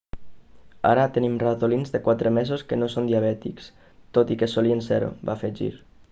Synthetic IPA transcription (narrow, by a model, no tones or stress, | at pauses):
a̰ɾat̪ənimrat̪olinzðekwat̪ɾəmezoskənosond̪iaβ̞ɛt̪iks | t̪ot̪ikesolienseɾo̰ba̰feʒḭɾ